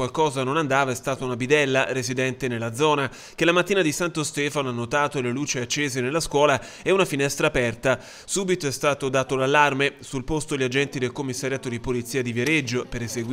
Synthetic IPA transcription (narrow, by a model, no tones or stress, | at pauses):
walkɔːzanonand̪aːvaɛst̪aːt̪aunabid̪ɛlːaɾezid̪ɛnt̪enelːad̪zɔːna | k̟elamat̪ːiːnad̪isant̪ost̪ɛːfanoanːot̪aːt̪oleluːt͡ʃiat͡ʃːeːzenelːaskwɔːla | ɛunafinɛst̪ɾaːpɛrt̪a | suːbit̪oɛst̪aːt̪od̪aːt̪olalːarmesulpost̪oʎːad͡ʒɛnt̪id̪elkomːisːaɾjaːt̪od̪ipolit̪siːad̪iveɾed͡ʒːopeɾezeɡw